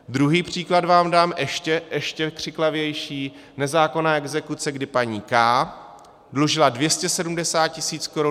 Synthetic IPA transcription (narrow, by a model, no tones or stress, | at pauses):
d̪ɾuɦiːpr̝̥iːkladvaːmdaːmʔɛʃcɛʔɛʃcɛkr̝̥ɪklavjɛjʃiː | nɛzaːko̞naːʔɛɡzɛkut͡sɛɡdɪpaɲiːkaː | dluʒɪladvjɛscɛsɛdumdɛsaːt̪̚cɪsiːt͡skoɾu